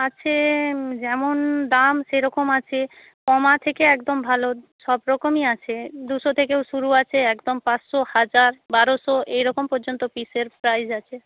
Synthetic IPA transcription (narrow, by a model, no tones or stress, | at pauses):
at͡ɕʰed͡ʑɛmond̪amʃejɾɔkomat͡ɕʰe | kɔmat̪ʰekeɛkd̪ombʱaloʃɔbɾɔkomiat͡ɕʰed̪uʃot̪ʰekewʃuɾuat͡ɕʰeɛkd̪ompãt͡ɕʃohad͡ʑaɾbaɾoʃoʔejɾɔkompɔɾd͡ʑont̪opiseɾpɾajd͡ʑat͡ɕʰe